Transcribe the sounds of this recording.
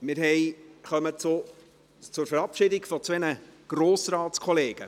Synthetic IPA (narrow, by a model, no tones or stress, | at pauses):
mɪɾɦɛɪχœmət͡sʊ | t͡sʊɾfɛɾɑpʃɪdɪɡfɔt͡sʋɛnəɡ̥roːsrɑːt͡skʰɔleːɡ̥ə